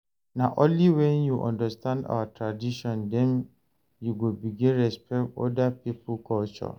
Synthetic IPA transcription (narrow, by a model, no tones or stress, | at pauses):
nãʔõnliwɛ̃njuʔɔ̰̃ndastʰãnda̰watʰɹadiʃɔ̃ndɛ̃n | juɡobiɡĩnɹɛspʰɛktɔ̰dapipʰukʰɔlt͡ʃɔ̰